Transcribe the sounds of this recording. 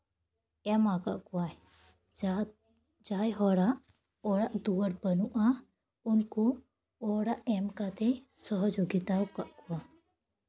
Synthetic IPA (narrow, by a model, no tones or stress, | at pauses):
ɛmakaʔkuaɛ | d͡ʒajɦɔɽaʔ | ɔɽaʔd̪uwəɽpənuʔa | unku | ɔɽaʔɛmkat̪ɛjsɔɦɔd͡ʒoɡit̪awkaʔkuwa